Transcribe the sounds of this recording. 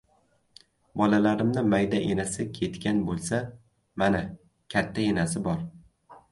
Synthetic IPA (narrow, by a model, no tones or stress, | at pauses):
bɒlalaɾɪmnɪmajd̪aʔenasɪkʲʰe̞t̪kʲanbolˠsa | mana | kʲʰat̪ʰːaenasɪbɒɾ